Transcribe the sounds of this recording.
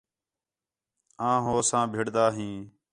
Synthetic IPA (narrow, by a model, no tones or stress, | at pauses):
ãːɦoːsãːbʱɪɽd̪aːɦĩː